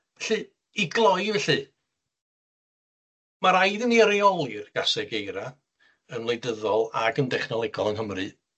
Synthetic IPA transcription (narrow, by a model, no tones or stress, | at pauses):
ɛɬɨ | iɡlˠɔjvɛɬɨ | maɾajðəniəɾiɔlˠɪrɡ̥asɛɡejɾa | ənlˠejdəðɔlˠa̰ɡəndɛχnɔlˠɛɡɔlˠənɦəmrɨ